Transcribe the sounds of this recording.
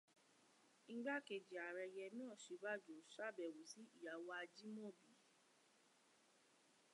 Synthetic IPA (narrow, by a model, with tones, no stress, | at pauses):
ŋ̩˦ɡ͡ba˦˨ke˧˨d͡ʒi˨a˨ɾɛ˧jɛ˧mĩ˦ɔ̃˦˨ʃi˨˧˦ba˦˨d͡ʒo˨ʃa˦˨bɛ˨wu˨si˨˦i˦˨ja˨wa˧a˧d͡ʒi˦mõ˦˨bi˨˦